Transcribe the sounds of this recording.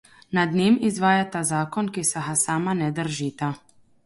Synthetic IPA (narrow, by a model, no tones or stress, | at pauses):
nad̪neːmizʋaːjat̪azaːkɔnkisaɦasaːmanɛd̪əɾʒiːt̪a